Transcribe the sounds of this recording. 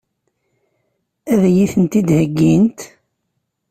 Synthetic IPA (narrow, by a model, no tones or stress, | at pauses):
æðæjiθənt̪id̪həɡːint̪